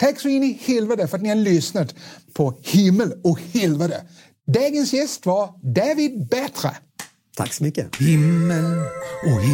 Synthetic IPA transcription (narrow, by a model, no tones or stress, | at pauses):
t̪ʰɛksɔɪnːɪhɪlvəd̪əfœɾat̪nɪhad̪əlʏsnət̪pʰɔhɪmːəlɔkhɪlvəd̪ə | d̪ɑːɡənsjɛst̪vɑɾd̪æːvɪd̪̚bɛt̪ɾə̰ | t̪ʰa̰ksɔmʏkːəhɪmːəlɔ